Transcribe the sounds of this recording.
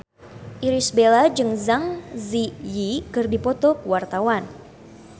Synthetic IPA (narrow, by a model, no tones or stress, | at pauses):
ʔiɾisbelad͡ʒɨŋzaŋzijikɨrdipɔt̪ɔkəwart̪awan